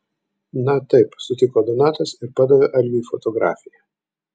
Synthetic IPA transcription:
nɐt̪ɐɪpsʊt̪ʲɪkoːd̪onɑːt̪ɐsɪɾpɑd̪ɐʋʲeʔɐlʲʋʲiːfɔt̪ɔɡɾɑ̰ːfʲɪjɛ

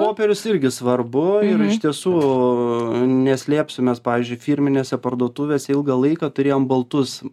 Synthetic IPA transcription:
poːpʲɛɾʲʊsɪɾʲɡʲɪsʋɐrbʊɪɾɪʃt̪ʲiɛsuː | nʲɛsʲlʲeːpʲsʲʊmʲɛspɑːʋʲiːzʲd͡ʒʲʊɪfʲiɾʲmʲɪnʲeːsʲɛpɐrd̪uɔt̪uʋʲeːsʲɛɪlˠɡɐlˠɐɪkɑt̪ʊɾʲeːjoːmbɐlˠt̪ʊs

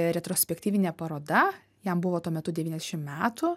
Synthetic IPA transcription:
ɾʲɛt̪ɾoːsʲpʲɛkt̪ʲiːʋʲɪnʲɛpɐɾoːd̪ɐ | jɛmbʊʋoːt̪uɔmʲɛt̪ʊd̪ʲɛʋʲiːnʲɛzʲɛʃʲɪmmʲæːt̪ʊ

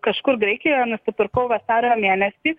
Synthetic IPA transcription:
kɐʃkʊɾɡɾʲɛɪkʲɪjoːnʊsʲɪpɨɾkɐʊʋɐsɑːɾʲoːmʲeːnʲɛsʲiː

